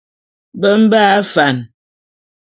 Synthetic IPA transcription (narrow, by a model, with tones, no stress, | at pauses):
bə˦m̩˦ba˦fa˨n